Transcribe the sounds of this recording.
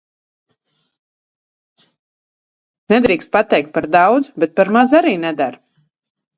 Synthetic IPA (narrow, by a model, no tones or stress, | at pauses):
nɛd̪ɾiːkst̪̚pat̪ɛjk̚t̪̚paɾd̪awd̪zubɛt̪̚paɾmazaɾiːnɛd̪aɾ